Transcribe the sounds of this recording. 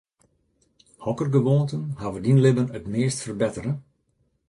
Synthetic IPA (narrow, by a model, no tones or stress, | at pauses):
hɔkərɡəʋoːntənhaʋədinlɪbənətmeːstfərbɪtəɾə